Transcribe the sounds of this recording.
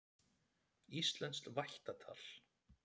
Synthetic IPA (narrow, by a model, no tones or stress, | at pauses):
ist̪lɛnst̪lvajht̪at̪ʰa̰l̥